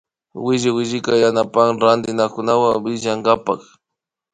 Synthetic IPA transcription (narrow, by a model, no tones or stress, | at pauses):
wɪʒɪwɪʒɪkajanapaŋɾand̪ɪnakʊnawabɪʒaŋɡapa̰χ